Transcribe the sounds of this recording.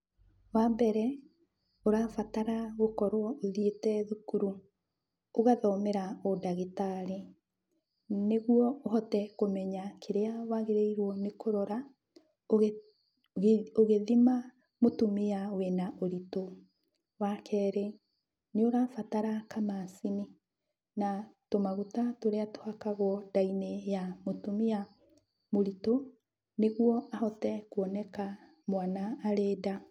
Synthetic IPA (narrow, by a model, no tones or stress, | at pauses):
wambɛɾɛ | oɾafataɾaɣokɔɾwɔʔoðietɛðukuɾu | oɣaðɔmeɾaodaɣetaɾe | neɣwɔoɦɔtɛkomɛɲakʰeɾeawaɣeɾeiɾwɔnekoɾɔɾa | oɣ | oɣeðima | motumeawenaʔoɾito | wakʰɛːɾe | neoɾafataɾakamasini | natomaɣutatoɾeatohakaɣwɔdainejamotumia | moɾito | neɣwɔahɔtɛkuɔnɛka | mwanaːɾeːda